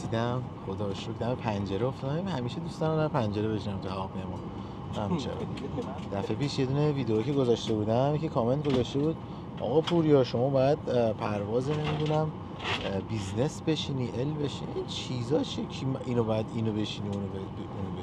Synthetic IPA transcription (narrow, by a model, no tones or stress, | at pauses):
esiːd̪æmxod̪ɒʃokd̪æme̞pʰænd͡ʒeɾeoft̪ɒdæimhæmiːʃed̪ust̪ɒnæmd̪æpʰænd͡ʒe̞ɾeβe̞ʃinæmt̪ʰuhævɒːpinemɒ | æmt͡ʃʰḛɾ̰ | d̪̥æfe̞pʰiːʃje̞d̪uːneviːd̪eoːcʰe̞ɡo̞zɒʃt̪e̞buːd̪æjcekʰɒːment̪ɡozɒʃt̪e̞buːd̪̚ | ʔɒ̰ːɣɒpʰuɾjɒʃo̞mɒːbɒːjæd̪̚pʰæɾvɒːzenemid̪unæm | bizne̞sbe̞ʃiniʔelbeʃinint͡ʃʰizɒːt͡ʃʰecʰiminobɒːjæd̪inobe̞ʃiniunobe | unobe